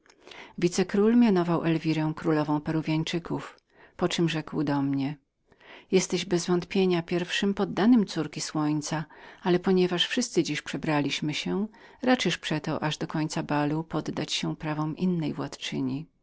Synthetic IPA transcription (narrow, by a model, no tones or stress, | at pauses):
vʲit̪sɛkɾulmʲjanɔvawʔɛlvʲiɾɛ̃w̃kɾulɔvɔ̃w̃pɛɾuvʲjaɲt͡ʂɘkuf | pɔt͡ʂɘmʐɛkwd̪ɔmɲɛ | jɛst̪ɛʑbɛzvɔnt̪pʲjeɲapʲjɛɾfʂɘmpɔd̪ːanɘmt̪suɾkʲiswɔɲt̪saalɛpɔɲɛvaʂfʂɘst̪sɘd͡ʑiʂpʂɛbɾalʲiɕmɘɕɛɾat͡ʂɛʂpʂɛt̪ɔʔaʐd̪ɔkɔɲt̪sabalupɔd̪ːat͡ɕɕɛpɾavɔ̃mʔinːɛjvwat̪t͡ʂɘ̰ɲi